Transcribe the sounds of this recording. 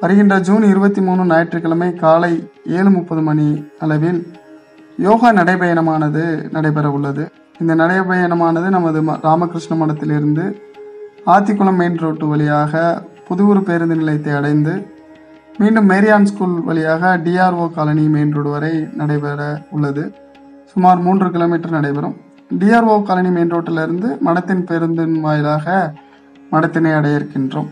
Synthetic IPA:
ʋɐɾɯɣɪndrɐd͡ʒuːnɪɾɯbɐt̪ːimuːnrɯnaːjɐʈrɯkːɐlɐmɐɪkaːlɐɪeːɭɯmʊpːɐðɯmɐniɐlːɐʋɪl | joːɣanɐɽɐɪpɐjɐnɐmaːnɐðɯnɐɽɐɪpɐɾɐʊɭːɐðɯ | ɪnd̪ɐnɐɽɐɪpɐjɐnɐmaːnɐðɯnɐmɐðɯmɾaːmɐkɪɾɪʂɳɐmɐɽɐt̪ːɪlɪɾɯnd̪ɯ | aːt̪ːɪkːʊlɐmːeːndroːʈːɯʋɐɭɪjaːɣɐpʊðɯʋɯɾɯpɛɾɯnd̪ɯnɪlɐɪt̪ːɐɪɐɽɐɪnd̪ɯ | miːɳɖɯmːeːɾɪjaːnskuːlʋɐ̰lɪjaːɣɐɖijaːɾʋoːkaːlɐnimeːndroːɽɯʋɐɾɐɪnɐɽɐɪpɐɾɐʊɭːɐðɯ | sʊmaːɾmuːndrɯk̬ɪloːmiːʈːɐɾnɐɽɐɪpɐɾɯm | ɖiːaːɾʋoːkaːlɐɳimeːndroːʈːɪlɪɾɯnd̪ɯmɐɽɐt̪ːɪnpɛɾɯnd̪ɯnmaːjɪlaːɣɐ | mɐɽɐt̪ːɪnɐɪɐɽɐjɪɾɯkːɪndro̰ːm

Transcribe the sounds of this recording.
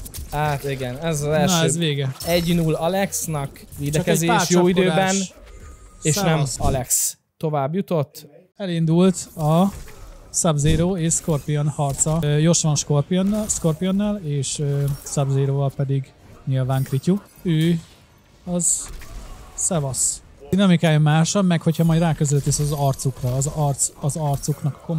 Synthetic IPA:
at̪iɡɛnɛzɒzɛlnʃɛzʋeːɡɛɛɟnuːlɒlɛksnɒkveːd̪ɛkɛzeːʃjoːid̪øːbɛn | eːʃaːnɛmɒlɛksː | o̞vaːbjut̪o̞t̪ː | ɛlind̪ult̪ɒ | sɒbzeːɾoːeːʃsko̞rpijonhɒrt̪sɒjo̞ʃɔnʃko̞rpijonːsko̞rpijonːɛleːʃøsɒbzeːɾoːvɒlpɛd̪iɡ | ɲilvaːŋkricu | øː | ɒz | sɛvɒsd̪̥inɒmikaːjomːaːʃɒmːɛkho̞chɒmɒjd̪raːkøzɛlt̪esɒzɒrt̪sukrɒːzɒrt̪sɒzɒrt̪suknɒkkom

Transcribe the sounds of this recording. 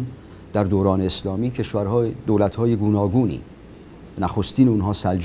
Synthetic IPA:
n | d̪̥æɾd̪oːɾɒːneːslɒːmiːcʰe̞ʃvæɾd̪oːlæt̪hɒːjeɡuːnɒːɡuːnḭː | næxost̪iːnunɦɒːsæld͡ʒ

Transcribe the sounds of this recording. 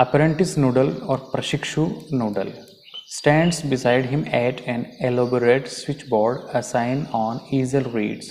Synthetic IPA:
ɐpɛɾẽɳʈisnuːɖəlɔːɾpɾɐʃɪkʃunuːɖə̰l | sʈæ̃ːɳɖsbɪsaɪɖɦɪ̃mɛʈʰɛ̃nelobəɾeːʈsʋɪt͡ʃbɔːɾɖɐsãɪ̃nɔ̃ːniːzəlɾḭːɖs

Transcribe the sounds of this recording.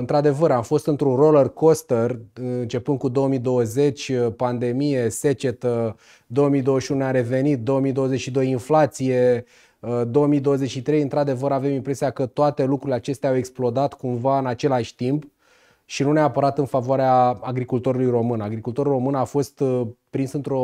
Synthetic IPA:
ɨnt̪ɾad̪e̞vəɾamfo̞st̪ɨnt̪ɾunro̞lərko̞st̪ərɨɨnt͡ʃe̞pɨnd̪kud̪o̞omid̪o̞wəze̞t͡ʃʲəpand̪e̞mije̞se̞t͡ʃe̞t̪ə | d̪o̞omid̪o̞wəʃiunneaɾe̞ve̞nit̪̚d̪o̞omid̪o̞wəze̞t͡ʃʃid̪o̞jəinflat̪sije̞ | əd̪o̞oəmid̪o̞wəze̞t͡ʃʲʃit̪ɾe̞jɨnt̪ɾad̪e̞vəɾave̞mimpɾesiakət̪oat̪e̞lukɾuɾileat͡ʃe̞st̪eawe̞ksplo̞d̪at̪kumvaɨnat͡ʃe̞laʃʲt̪imp | ʃinuneaːpəɾat̪ɨnfavoaɾeaːɡɾikult̪o̞ɾulujro̞mɨnaɡɾikult̪o̞ɾuro̞mɨnafo̞st̪pɾinsɨnt̪ɾo

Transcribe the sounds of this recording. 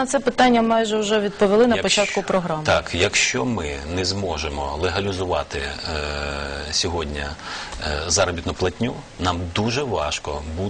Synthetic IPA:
ɐt̪sɛpɪt̪ɑnʲːɐmɑjʒɛwʒɛʋʲid̪pɔʋʲɪlˠɪnɐpɔt͡ʃɑt̪kʊpɾɔɦɾamt̪ɑkjɐkʃt͡ʃɔmɪnɛzmɔʒemɔlˠeɦɐlʲizʊʋɑt̪ɪ̰ | sʲɔɦɔdʲnʲɐ̰ | zɑɾɔbʲit̪nʊplˠɐtʲnʲu | nɑmd̪uʒɛʋɑ̰ʃkɔbu

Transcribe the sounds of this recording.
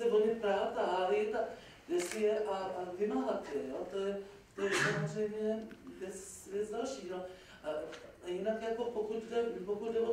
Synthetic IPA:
ɛvoɲɛpɾaat̪aaːlɪjɛt̪a | ɛsɪjɛʔavɪmaːɦat̪jɛjot̪ojɛ | t̪ojɛsamozrɛjmɲɛbɛs | bɛzdalʃiːno | jɪnakjakopokut̪d̪ɛpokut̪dɛʔo

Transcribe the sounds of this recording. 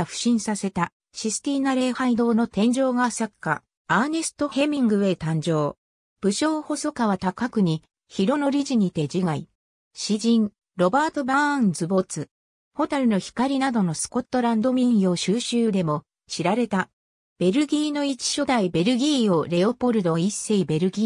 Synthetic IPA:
ɸɯ̟̥ɕĩɰ̃sase̞t̪a | ɕisɨ̥t̪ʲiːnaɾe̞ːhaid̪o̞ːno̞t̪ẽ̞ɲ̟d͡ʑo̞ːɡaːsakːa̰ | ane̞sɨ̥t̪o̞he̞mʲĩŋɡɯ̟e̞t̪ãɲ̟d͡ʑo̞ː | b̥ɯ̟ɕo̞ːho̞so̞kaβat̪akakɯ̟ɲ̟i | çiɾo̞no̞ɾʲiʑiɲ̟it̪e̞d͡ʑiɡaḭ | ɕid͡ʑĩɴ | ɾo̞baːt̪o̞bãnzɨbo̞t͡sɨ | ho̞t̪eɾɯ̟no̞çi̥kaɾʲinad̪o̞no̞sɨ̥ko̞t̪ːo̞ɾãnd̪o̞mʲĩɰjo̞ɕɨːɕɨːd̪e̞mo̞ | ɕiɾaɾe̞t̪a | b̥e̞ɾɯ̟ɡʲiːno̞it͡ɕi̥ɕo̞d̪aibe̞ɾɯ̟ɡʲiːo̞ɾe̞opo̞ɾɯ̟d̪o̞isːeibe̞ɾɯ̟ɡʲiː

